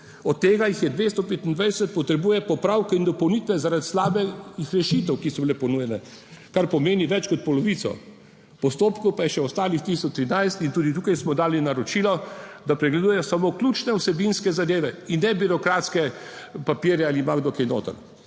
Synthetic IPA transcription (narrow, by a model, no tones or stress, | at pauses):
ɔt̪ːeːɡajixjɛd̪ʋeːst̪ɔpeːt̪ind̪ʋajsɛt̪̚pɔt̪ɾɛbuːjɛpɔpɾaːwkɛind̪ɔpɔwnit̪ʋɛzaɾat̪slaːbɛixɾɛʃit̪ɛwkisɔbilɛpɔnujɛnɛ | kaɾpɔmeːniʋɛt͡ʃkɔt̪̚pɔlɔʋiːt̪sɔ̰ | pɔst̪oːpkɔwpajɛʃɛɔst̪aːlixt̪ist̪ɔt͡ʃt̪ɾinajst̪int̪uːd̪it̪ukajsmɔd̪aːlinaɾɔt͡ʃiːlɔd̪apɾɛɡlɛd̪uːjɛjɔsamokluːt͡ʃnɛusɛbinskɛzad̪eːʋɛinːɛbiɾɔkɾaːt̪skɛpapiːɾjɛalimaɡd̪okejno̰ːt̪ə̰n